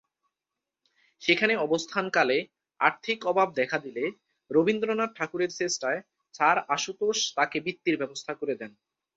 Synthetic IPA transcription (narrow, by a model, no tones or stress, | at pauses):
ʃekʰaneɔbost̪ʰankale | a̰ɾt̪ʰikɔbʱab̚d̪ɛkʰad̪ile | ɾobind̪ɾonaʈʰakuɾeɾsesʈae | t͡ɕaɾaʃut̪oʃt̪akebit̪ːiɾbɛbost̪ʰakoɾed̪ɛn